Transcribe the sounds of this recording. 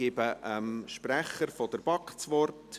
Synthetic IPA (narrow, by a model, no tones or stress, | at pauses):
ɪbəʔəmʃpræχəɾfɔd̥̪əɾb̥ɑkt͡sʋɔrt